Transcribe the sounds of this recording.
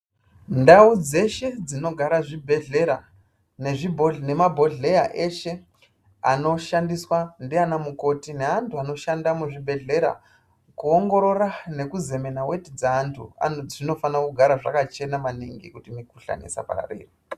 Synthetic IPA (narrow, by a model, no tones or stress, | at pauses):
ndaud͡ze̞ʃe̞d͡zino̞ɡʱaɾaʐibʱeɮeɾa | ne̞ʐibʱoɮne̞mabʱo̞ɮe̞jaʔe̞ʃe̞ | ano̞ʃandiswandianamuko̞tine̞antʰuano̞ʃandamuʐibʱe̞ɮe̞ɾa̰ | kuoŋɡo̞ɾo̞rane̞kuze̞me̞nawe̞tid͡zaːntʰṵa̰ʐino̞fanakuɡʱaɾaʐa̰kat͡ʃe̞namaniŋɡḭkutimikuɬa̰nḛsa̰pa̰ra̰rḛːri